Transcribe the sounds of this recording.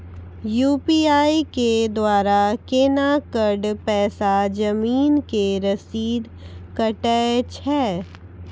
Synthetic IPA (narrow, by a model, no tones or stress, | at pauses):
juːpiaːiked̪waːɾakeːnakəɾɖpɛːsad͡ʒɐmiːnkeɾɐsiːd̪ | kɐʈɛt͡ʃʰɛː